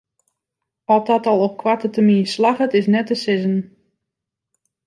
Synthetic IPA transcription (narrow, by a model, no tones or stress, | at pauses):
ɔtdɔtɔlˠɔp̚kʰwatətəminslaχətɪsnɛtəsɪzən